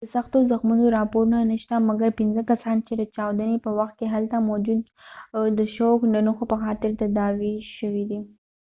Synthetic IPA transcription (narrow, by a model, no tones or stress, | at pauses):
d̪əsaxt̪ozaxmunoɾɑpoɾunanəʃt̪amaɡaɾpɪnzəkasɑnt͡ʃed̪ət͡ʃɑwd̪anepəwaxt̪̚keɦalt̪amod͡ʒud̪ | d̪əʃowknanuxopəxɑt̪ɪɾt̪ad̪ɑwiʃəwid̪i